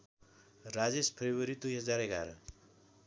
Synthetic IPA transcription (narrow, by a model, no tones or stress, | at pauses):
rad͡zespʰebʌɾid̪ujɦʌd͡zaɾeɡaɾ